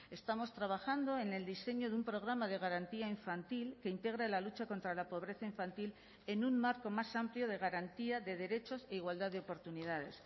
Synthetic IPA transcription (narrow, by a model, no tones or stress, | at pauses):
e̞st̪amo̞st̪ɾaβ̞axand̪o̞e̞ne̞ld̪ise̞ɲoðeumpɾo̞ɣ̞ɾamaðe̞ɣaɾant̪iaiɱfant̪ilke̞int̪e̞ɣ̞ɾalalut͡ʃako̞nt̪ɾalapo̞β̞ɾe̞θaiɱfant̪il | e̞nummaɾko̞masampljo̞ð̞e̞ɣ̞aɾant̪iaðe̞ðe̞ɾe̞t͡ʃo̞se̞iɣwald̪aðeo̞po̞ɾt̪uniðað̞e̞s